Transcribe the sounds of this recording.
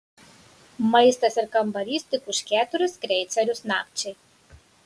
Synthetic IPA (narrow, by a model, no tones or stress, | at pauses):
mɐjst̪ɐsʲɪɾkɐmbɐɾʲist̪ɨkuʃkʲæt̪ʊɾʲɨskɾʲɛjt̪sʲɐɾʲusna̰p̚t͡ʃej